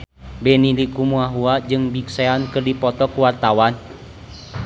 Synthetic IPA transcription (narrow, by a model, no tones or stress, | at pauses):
bɛnilikumuaɦuad͡ʒɨŋbikseankɨrdipɔt̪ɔkuwart̪awan